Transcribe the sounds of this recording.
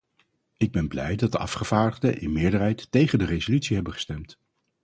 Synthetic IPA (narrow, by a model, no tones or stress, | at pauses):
ɪɡ̚bɛnblɛjdɑt̚dəʔɑ̰fχəv̥aːɹdəχdəʔɪnmɪːɹdərɦɛjtːejχəndərezolytsiɦɛbənχə̥stɛmt